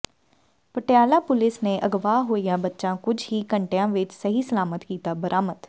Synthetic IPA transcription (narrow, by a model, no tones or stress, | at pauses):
pəʈɪjaːlaːpʊlɪsneːʔəɡʋaːɦoːijãːbətːʃãːkʊd͡ʒɦiːkəɳʈejãːʋɪt͡ʃsəɦiːsəlaːmət̪kiːt̪aːbəɾʔaːmət̪